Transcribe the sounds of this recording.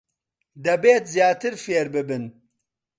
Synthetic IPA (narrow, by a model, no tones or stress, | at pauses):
d̪ɐbeːt̪zjaːt̪ɨɾfeːɾbɨbɨn